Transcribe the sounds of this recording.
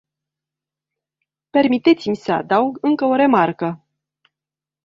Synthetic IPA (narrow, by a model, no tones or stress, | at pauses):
pe̞rmit̪e̞t̪simʲsəa̰d̪auɡɨŋkəo̞ɾe̞markə